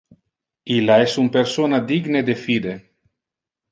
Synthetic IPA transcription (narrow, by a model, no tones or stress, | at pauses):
ilaɛsumpeɾsonad̪iɡned̪efid̪e